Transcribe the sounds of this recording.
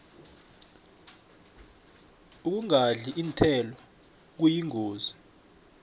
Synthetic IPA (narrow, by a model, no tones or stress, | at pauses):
uk̬uŋaɮiʔintʰɛlɔ | k̬ujiŋoːzi